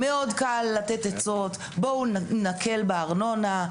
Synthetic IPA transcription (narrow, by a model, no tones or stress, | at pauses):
meo̞d̪kalːat̪et̪et͡so̞t̪ | bo̞unakʰe̞lbeaʁno̞na